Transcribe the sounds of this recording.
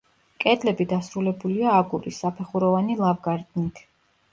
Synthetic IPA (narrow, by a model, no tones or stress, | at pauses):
kʼɛd̪lɛbid̪asɾulɛbuliaːɡuɾisːapʰɛχuɾɔvanilˠavɡaɾd̪nit̪ʰ